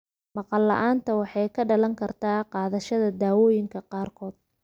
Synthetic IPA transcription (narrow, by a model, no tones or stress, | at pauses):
mɑqɑlːɑ̰ʔaːnt̪ʰɐwɑħɑjkʰɐɖɐlɐŋkʰɐrt̪ʰaːqɑːðɐʃɐðɐd̪aːwɔːjɪŋkʰɐqɑːrkʰɔːd̪̥̚